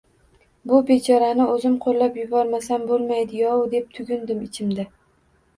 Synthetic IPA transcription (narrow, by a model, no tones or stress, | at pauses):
bʊbet͡ʃʰɒɾanɪɵzɪmqʰolːapjʊbɒɾmasanbolˠmajd̪ɪjɒwd̪e̞p̚t̪ʰʊɡʲʊnd̪ɪmɪt͡ʃʰɪmd̪ɪ